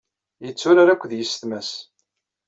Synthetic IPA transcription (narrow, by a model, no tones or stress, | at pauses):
jət͡sːʊɾaɾakʷːðjəsθmæs